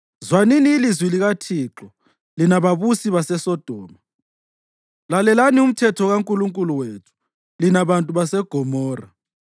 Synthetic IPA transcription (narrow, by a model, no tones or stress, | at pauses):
zwaniniːlizwiliɣatʰiːǁɔ | linaβaβusiβasɛsɔd̥ʱɔːma | lalɛlanium̩tʰɛtʰɔɣaŋkʼuluŋkʼuluwetʰu̥ | linaβantʼuβasɛɡ̥ʱɔmɔːra